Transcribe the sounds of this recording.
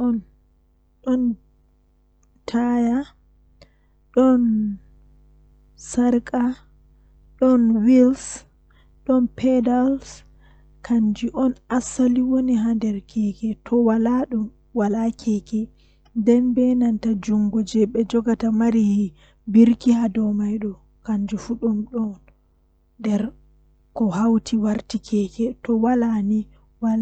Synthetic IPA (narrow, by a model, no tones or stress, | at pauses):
ʔɔn | ɗɔn | tʰaja | ɗɔn | saɾkʼa | ɗɔnwils | ɗɔnpʰɛdals | kʰand͡ʒiʔɔnasaliwoniɦandɛɾkʰɛkɛtʰɔwalaɗum | walakʰɛkɛ | ndɛnbɛnantad͡ʒuŋɡɔd͡ʒɛɓɛd͡ʒɔɡatamaɾihi | biɾkihadɔmajɗɔ | kaɲd͡ʒufuɗɔnɗɔn | dɛɾ | kɔhawtʰiwaɾtikʰɛkɛtɔwalani | wal